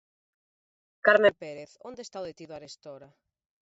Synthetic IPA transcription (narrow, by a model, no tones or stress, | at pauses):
kaɾmẽmpeɾeθond̪est̪awðet̪iðʊaɾest̪oɾa